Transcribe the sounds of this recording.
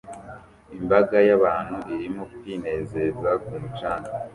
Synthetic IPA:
imbaɡajaβaːn̥huʔiɾimokkwiːne̞ːze̞zakumut͡ʃaːna

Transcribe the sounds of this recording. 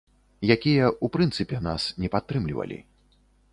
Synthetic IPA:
jakʲijɐupɾɨnt̪sɨpʲɛnasnʲɛpat̪ːɾɨmlʲivɐ̰lʲḭ

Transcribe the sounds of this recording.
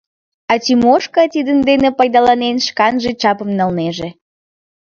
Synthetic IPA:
ɑt̪ymoʃkɑt̪id̪ənd̪enepɑjd̪ɑlɑnenʃkɑnʒet͡ɕɑpəmnəlneʒe

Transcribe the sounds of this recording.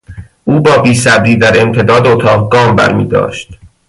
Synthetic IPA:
ʔuːbɒːbiːsæbɾiːd̪æɾe̞mt̪ʰe̞d̪ɒːd̪ot̪ʰɒːʁɡɒːmbæ̰ɾmḭːd̪ɒ̰ːʃt̪

